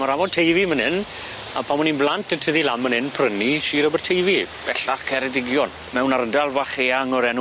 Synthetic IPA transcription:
maɾamɔtʰejvimənɪn | apʰamɔninblˠantəntʰəðilamːənɪnpʰrəniʃiːɾɔbərtʰejvib̥ɛɬaχkʰɛɾɛdɪɡjɔn | mɛwnarədalˠvaχeaŋɔɾɛnu

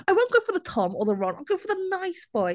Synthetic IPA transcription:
aɪwõʊ̃nɡ̥oʊfəðətʰɒməðəɹɔ̃naɪ̃ɡoʊfəðənaɪsb̥ɔɪ

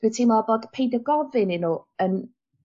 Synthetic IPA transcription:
d̥utʰimɔbɔd̥pʰejdaɡɔvɪnɪnuən

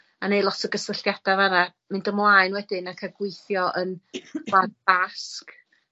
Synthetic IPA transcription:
anejlˠɔtʰəɡəsəɬjad̥avana | mɪndəmlˠaɨnwɛdɪnakʰaɡwɪjθjɔʔənadbask

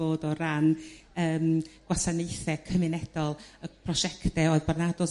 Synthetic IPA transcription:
oːdɔɾanəːmɡ̥wasanejθɛkʰəmɪnɛd̥ɔlˠəpʰrɔʃɛktɛoɨðbarnadɔ

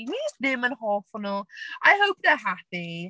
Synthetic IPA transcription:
widɪ̃mə̃nhɔlˠfʌnl̩ˠʔaɪɦoʊp̚ðə˞ɦæpi

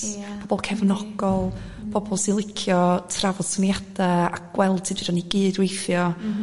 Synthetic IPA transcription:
b̥ʰɔbɔlˠkʰɛvnɔɡ̥ɔlˠ | b̥ʰɔbɔlˠsilˠɪkʰjɔtʰravɔd̥sɪnjad̥ɛakɡ̥wɛlˠd̥̚tʰidɪdaniɡɨːdwejfjɔ

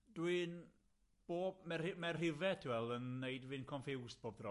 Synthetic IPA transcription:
d̥wɨn | b̥oːbmɛrɪmɛrrɪvɛtʰwɛlˠənːejdvɨnkʰɔnfɪwsb̥oːb̚drɔ

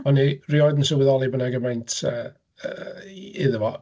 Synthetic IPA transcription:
ɔniriɔjdnsɪwɪðɔlˠibənaɡəmɛjntʰə | əɪðəvɔ

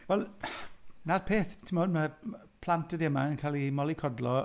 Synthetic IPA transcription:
vɛlˠ | narpʰeːθtʰɪmoːdma | pʰl̥ˠantʰədɛmaənkʰaːlˠimɔlˠikʰɔdlɔ

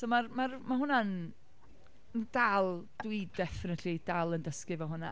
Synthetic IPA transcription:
somarmarmaɦʊnan | ənd̥alˠd̥widɛfɪnətʰid̥alˠəndəskɪvɔɦʊna

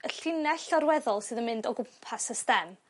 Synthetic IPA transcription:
əɬɪnɛɬɔɾwɛðɔlˠsɨːðənmɪndɔɡʊmpʰasəstɛn

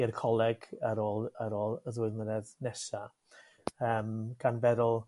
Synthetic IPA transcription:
ɪrkʰɔlˠɛɡaɾoːlˠaɾoːlˠəðwʊðnəɾɛðnɛsa | əːmɡ̥anvɛðʊlˠ

